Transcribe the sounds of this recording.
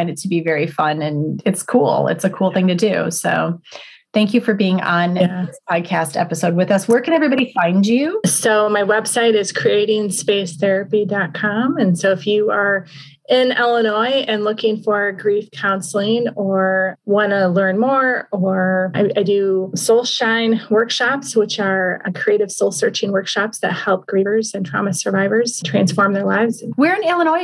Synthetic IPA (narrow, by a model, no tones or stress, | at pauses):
ɪ̃ndɨd̚tʰɨbivɛɹifʌ̃nɨ̃nɨtskʰṵlˠɪ̰tsɨkʰulˠθɪ̃ŋtɨdʉ̰soʊ | θæ̃ŋkjɨfə˞biɪ̃ŋə̃nɪspʰɑd̚kʰæstɛ̰pəsoʊd̚wɨðʌswə˞kʰɨ̃ñɛvɹibɑɾifãɪ̃nd͡ʒʉsoʊmaɪwɛb̥saɪɾɨz̥kʰɹ̥ieɪɾɪ̃ŋspeɪsθɛɹɨpidɑt̚kʰɑ̃mɨ̃nsoʊɨfjɨə˞ | ɪ̃nɛlˠənɔɪɨ̃nlʊkɪ̃ŋfə˞ɡɹifkʰãʊ̃nsl̩ˠɪ̃ŋə˞wɑ̃nəlɜ̃˞nmɔɹə˞aɪaɪdɨsoʊlˠʃãɪ̃nwɜ˞kʃɑpswət͡ʃə˞kʰɹ̥ieɪɾɨv̥soʊlˠsɜ˞t͡ʃɪ̃ŋwɜ˞kʃɑpsðɨ̰t̚hɛlˠp̚ɡ̥ɹiə˞zɨ̃ntʰɹ̥ɑ̰mɨsə˞vaɪvə˞z̥tʰɹ̥æ̃nsfɔɹmðə˞laɪvz̥wɪɹɨ̃nɛlˠə̃nɔɪ